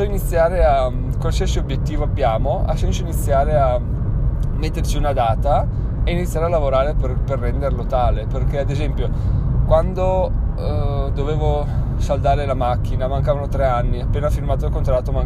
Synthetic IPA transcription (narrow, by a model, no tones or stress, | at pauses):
sɔinit̪sːjaːɾea | kansɛsiobjet̪ːiːvoabːjaːmoʔa̰sɛnsoinit̪sːjaːɾea | mːet̪ːert͡ʃiunad̪aːt̪a | einit̪sːjaːɾealːavoɾaːɾeperperːɛnd̪erlot̪aːleperkead̪ezɛmpjokwand̪o | d̪oveːvo | sald̪aːɾelamak̟ːinamaŋkaːvanot̪ɾeanːiapːeːnafirmaːt̪oilkont̪ɾat̪ːomaŋ